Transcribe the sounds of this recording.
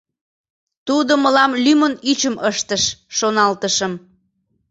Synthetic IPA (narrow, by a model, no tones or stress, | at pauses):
t̪ud̪oməlɑmlymənyt͡ɕəmʔəʃt̪əʃːonɑlt̪əʃəm